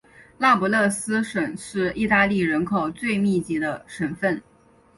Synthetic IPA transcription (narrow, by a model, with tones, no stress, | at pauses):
la˥˩pɔ˧˥lɤ˥˩sɹ̩˥ʂə˨˩ŋʂɻ̩˥˧i˥˧t̪a˥˧li˥˩ɻə˧˥nkʰo˨˩ʊt͡swe˥˧ɪmi˥˩t͡ɕi˧˥d̪ə˧ʂə˨˩nfə˥˩n